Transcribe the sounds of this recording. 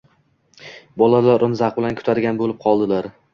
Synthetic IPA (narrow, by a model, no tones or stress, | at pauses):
bɒlalaɾʔʊmzaq̚bɪlankʰʊ̥t̪ʰaɾɡʲanbolɪp̚qʰɒlˠd̪ɪlaɾ